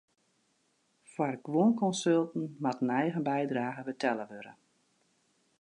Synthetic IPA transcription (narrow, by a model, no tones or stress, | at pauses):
fwarɡʋonkɔnsølˠtn̩matənɛjɣənbɛjdraːɣəbətʰɛləʋøɾə̰